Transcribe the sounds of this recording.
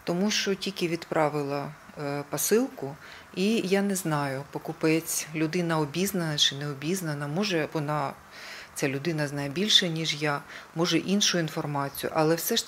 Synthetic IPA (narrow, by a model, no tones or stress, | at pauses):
t̪ɔmuʃt͡ʃɔtʲilʲkʲɪʋʲid̪pɾʔɑʋɪlˠɐ | pɐsɪlˠkʊ | ijanɛznɑjʊpɔkʊpɛt͡sʲlʲʊd̪ɪnɐɔbʲiznɐnɐt͡ʃɪnɛɔbʲiznɐnɐmɔʒɛʋɔnɑ | t͡sʲalʲʊd̪ɪnɐznɐjɛbʲilʲʃɛnʲiʒjamɔʒɛʔinʃʊjʊinfɔrmɑt͡sʲijʊ̰ʔɐlˠɛwsɛʃ